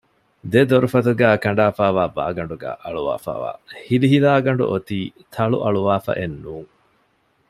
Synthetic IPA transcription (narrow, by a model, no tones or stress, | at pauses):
d̪ed̪oɾufɐt̪uɡæːkɐɳ̆ɖaːfaːʋaːba̰ːɡɐɳɖuɡæ̰ːʔɐɭuʋa̰ːfa̰ːʋa̰ːhiliɦilaːɡɐɳɖṵʔot̪iːt̪ʰɐɭṵʔɐɭuʋaːfɐ̰ʔenːuːŋ